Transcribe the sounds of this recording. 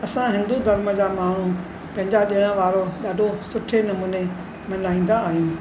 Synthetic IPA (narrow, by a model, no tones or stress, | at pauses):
ɐsãɦɪ̃nd̪ud̪ʱɐɾməd͡ʑaːmaːɳ̤ũ | pɐ̃ɦɪ̃ɲd͡ʑaɗiəɽ̃ə̃ʋaːɾoɗaːɖʱosʊʈʰenɐmuːne | mɐnlaːĩːn̆d̪aːɦijũː